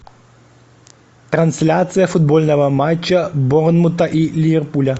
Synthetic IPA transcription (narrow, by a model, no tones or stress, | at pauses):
t̪ɾɐnsʲlʲat̪sɨjəfʊd̪̚bolʲnəvəmat͡ɕːəbornmʊt̪əʔilʲɪvʲerpulʲə